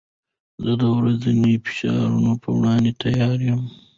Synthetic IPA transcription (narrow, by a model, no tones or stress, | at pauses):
zəd̪əwɾazd̪anifɪ̥ʃɑ̰ɾṵnopə̰wɽɑːnd̪et̪ʰajɑːɾjəm